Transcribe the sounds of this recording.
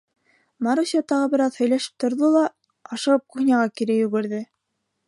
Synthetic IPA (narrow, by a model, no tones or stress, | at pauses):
mɑɾusʲɑt̪ɑʁɤbɘ̆ɾɑðhɵ̆jlæʃɘ̥p̚t̪ʰŏɾðolˠɑ | ɑʃɤ̆ʁɤp̚kuxnʲɑʁɑkiɾɘjɵ̆ɡɘ̆ɾðɘ